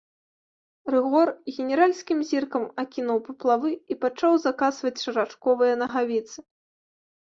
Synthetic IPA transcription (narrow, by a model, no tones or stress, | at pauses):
rɨɣɔrɣʲɛnʲɛɾalʲsʲkʲimzʲirkɐmakʲinuwpɐplˠavɨipat͡ʂawzakasvɐt͡sʲʂɨɾat͡ʂkɔvɨjɐnɐɣavʲit̪sɨ